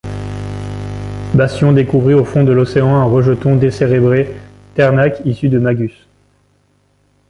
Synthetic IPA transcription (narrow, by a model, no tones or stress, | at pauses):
bast̪jɔ̃d̪ekuvʁiofɔ̃d̪əlɔseɑ̃ɛ̃ʁəʒət̪ɔ̃d̪eseʁebʁe | t̪ɛʁnakisyd̪əmaɡʲys